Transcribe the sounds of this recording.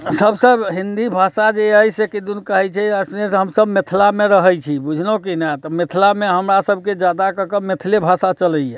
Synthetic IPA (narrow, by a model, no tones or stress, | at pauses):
səbsəbɦind̪ibʱasad͡ʒeəjsekid̪unkəɦɛt͡ʃʰɛəsnesɦəmsəbmet̪ʰilameɾəɦəjt͡ʃʰibud͡ʒʱnokinɛt̪ɔmet̪ʰlameɦəmɾasəbʱked͡ʒjad̪akəkəmet̪ʰlebʱasat͡ʃələjɛ